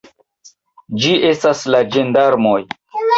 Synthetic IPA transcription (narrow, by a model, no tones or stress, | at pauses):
d͡ʒiʔe̞staslad͡ʒe̞ndaɾmo̞j